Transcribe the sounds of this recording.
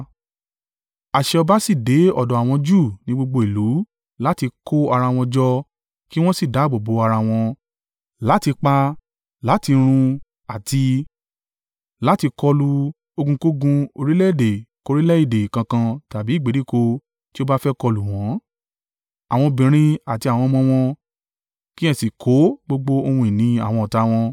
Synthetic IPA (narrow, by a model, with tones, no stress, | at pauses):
a˨ʃɛ˧ɔ˧ba˦si˦˨de˨˦ɔ˦˨dɔ˨a˨w̃ɔ̃˧d͡ʒu˦˨nĩ˨˦ɡ͡bo˧ɡ͡bo˧i˨lu˨˦ | la˦ti˧ko˦a˧ɾa˧w̃ɔ̃˧d͡ʒɔ˧ | ki˦w̃ɔ̃˦si˦˨da˨˦˨ɡ͡bo˨bo˨˦a˧ɾa˧w̃ɔ̃˧ | la˨˦ti˧k͡pa˧ | la˨˦ti˧ɾ̃ũ˧ | a˨ti˧ | la˨˦ti˧kɔ˧lu˧ | o˧ɡũ˧ko˦ɡũ˧o˧ɾi˦lɛ˦i˦˨de˨ko˧ɾi˦lɛ˦i˦˨de˨kã˧kã˧ta˨bi˨˦˨ɡ͡be˨˦di˦˨ko˧ | ti˦o˦ba˦fɛ˦kɔ˧lu˨w̃ɔ̃˨˦ | a˨w̃ɔ̃˧bĩ˨ɾ̃ĩ˧a˨ti˧a˨w̃ɔ̃˧mɔ̃˧w̃ɔ̃˧ | ki˦ɛ̃˧˨si˨kʰo˨˦ɡ͡bo˧ɡ͡bo˦o˧hũ˧i˨nĩ˨˦a̰˦˨w̃ɔ̃˧ɔ˨ta˧w̃ɔ̃˧